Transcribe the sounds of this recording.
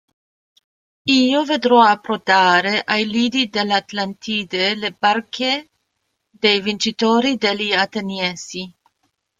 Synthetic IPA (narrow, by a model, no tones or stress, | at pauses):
iːoved̪ɾɔapɾot̪aːɾeʔajliːd̪id̪elːeat̪lant̪ʰiːd̪elebarkʰe | d̪ejvint͡ʃit̪oːɾid̪elːiat̪enjɛsi